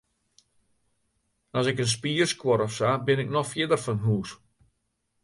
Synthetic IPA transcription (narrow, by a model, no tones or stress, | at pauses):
ɔsɪkəns̬piːərskwɔɾɔfsabɪnɪk̚nɔxfjɪdərfɔnɦuːs